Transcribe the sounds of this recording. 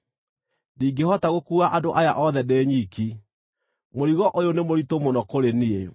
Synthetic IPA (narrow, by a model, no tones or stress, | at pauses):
diːɡehɔtaɣokuaʔadoʔajaʔɔðɛdeːɲiki | moɾiɣɔʔojonemoɾitomonɔkoɾenie